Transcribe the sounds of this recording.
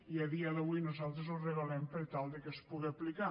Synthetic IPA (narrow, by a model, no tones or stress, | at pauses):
iəðiəðəβujnuzalˠt̪ɾəzurəɣəlɛmpəɾt̪alˠd̪əkəspuɣeəplika